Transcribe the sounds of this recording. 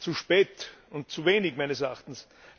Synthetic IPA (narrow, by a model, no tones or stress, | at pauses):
t͡suʃpɛːtʊnt̚t͡suveːnɪkmaɪnəsɛɐa̰xtn̩s